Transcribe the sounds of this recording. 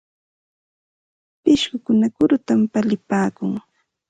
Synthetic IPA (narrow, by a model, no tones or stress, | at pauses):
pɪʃɢʊkʊnakʊɾʊt̪ampalɪpaːkʊŋ